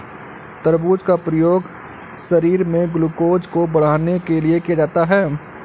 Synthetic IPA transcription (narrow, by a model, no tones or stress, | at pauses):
t̪əɾbuːd͡ʒkapɾəjoːɡ | sɐɾiːɾmẽɡʊlukoːd͡ʒkobɐɽ̤aːnekeliekijad͡ʒaːt̪aɦɛː